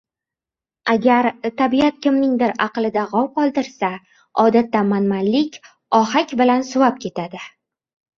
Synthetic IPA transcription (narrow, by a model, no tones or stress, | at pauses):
aɡʲaɾt̪ʰabiat̪̚kʲʰɪmnɪŋd̪ɪɾɑqlˠɪd̪aʁɒwqʰɒlˠd̪ɪɾsa | ɒd̪at̪ːamanmanlɪkʲ | ɒɦakʲbɪlansʊvap̚kʲʰe̞t̪ʰad̪ɪ